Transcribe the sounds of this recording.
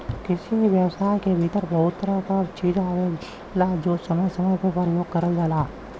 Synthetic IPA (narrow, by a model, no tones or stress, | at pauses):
kɪsiʋjəwsaːɪkebʱiːt̪əɾbɐɦʊt̪ːəɾakat͡ʃiːd͡ʒaːe | laːd͡ʒoːsɐməjsɐməjpepəɾjoːɡkɐɾəld͡ʒaːlaː